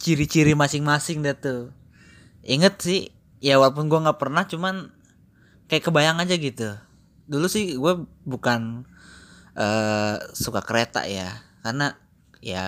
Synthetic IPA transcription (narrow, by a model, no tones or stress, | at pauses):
t͡ʃiɾit͡ʃiɾimasɪŋmasɪŋdat̪u | iŋət̪̚sɪh | jawalp̬ʊnɡuaŋɡaʔpərnaht͡ʃuman | kajaʔkəbajaŋad͡ʒaɡit̪u | dulusɪhɡuɛ | bukan | ʔəːsukakəɾet̪a̰ʔjakarna | ja̰